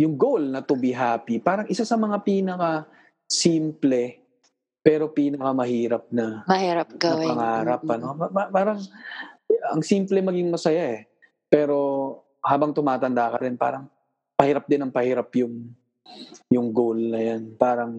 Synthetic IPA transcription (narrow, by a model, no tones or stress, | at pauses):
jʊŋɡowlnɐt̪ʊbɪɦaːpɪpaːɾɐŋʔɪsasɐmɐŋapiːnɐkɐ | siːmplɛ | pɛːɾo̞piːnɐkɐmɐhiːɾɐp̚nɐmɐhiːɾɐp̚kɐpɐŋaːɾɐpɐno̞ɐapaːɾɐŋ | ɐŋsiːmplɛmɐɡiŋmɐsɐjaʔɛ | pɛːɾo̞ | haːbɐŋt̪ʊmaːt̪ɐnd̪akɐɾɪnpa̰ːɾɐŋ | pɐhiːɾɐp̚d̪ɪnɐŋpɐhiːɾapjʊŋ | jʊŋɡowlnɐjanpaːɾɐŋ